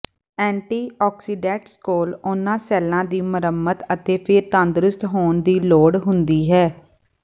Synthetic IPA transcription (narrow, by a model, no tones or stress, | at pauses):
ɛ̃ːɳʈiːɔːksiːɖɛːʈskoːlʊnːãːsɛːlãːd̪iːməɾəmːət̪ət̪eːpʰɪɾt̪ãːnd̪ɾʊst̪ɦoːnd̪iːloːɽɦʊnd̪iːɦɛː